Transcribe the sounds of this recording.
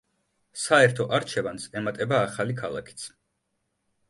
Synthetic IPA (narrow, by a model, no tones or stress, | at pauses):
saɛɾt̪ʰɔʔaɾt͡ʃʰɛvansɛmat̪ʼɛbaːχalikʰalˠa̰kʰi̥t̪sʰ